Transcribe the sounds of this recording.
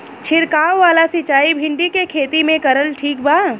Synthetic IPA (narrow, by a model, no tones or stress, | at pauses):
t͡ʃʰɪɾkaːwːaːlasɪt͡ʃaːibʱɪ̃ɳɖikekʰeːt̪imẽkɐɾəlʈʰiːk̚baː